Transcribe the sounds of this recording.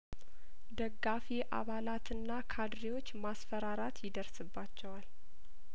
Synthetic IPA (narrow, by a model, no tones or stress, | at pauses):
d̪əɡːafiʔa̰βalat̪ʰɨnːakʰad̪ɾiwo̞t͡ʃːmasfəɾaɾat̪jɪd̪əɾsɨbːat͡ʃːɛwal